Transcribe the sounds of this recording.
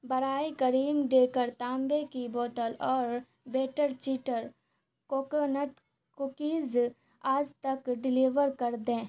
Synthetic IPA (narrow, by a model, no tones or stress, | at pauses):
bɐɾaːikɐɾiːmɖeːkəɾt̪ãːmbekibɔːt̪əlɔːɾ | beːʈəɾt͡ʃiːʈəɾ | koːkənəʈ | kʊkiːz | aːd͡ʒt̪ɐkɖɪliːʋəɾkɐɾd̪ẽː